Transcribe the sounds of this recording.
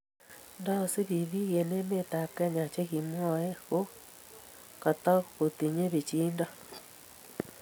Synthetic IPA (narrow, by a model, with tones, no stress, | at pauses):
nda˦˨si˦βi˨ði˦ɣe˨ne˦me˦ta˨kɛ˦ɲa˨t͡ʃe˦ɣi˨mwɔ˦e˦ɣo˦ | ka˨t̪ɔ˦ko˨t̪i˨ɲe˦βe˨t͡ʃiː˦nda˦